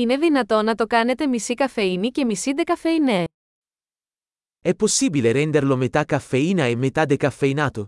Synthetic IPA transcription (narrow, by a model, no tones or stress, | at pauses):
ine̞ðinɐt̪o̞nɐt̪o̞kɐne̞t̪emisikɐfeinice̞misid̪ekɐfeine | ɛpːosːiːbileɾɛnd̪erlomet̪akːafːeiːnaemːet̪ad̪ekafːeinaːt̪o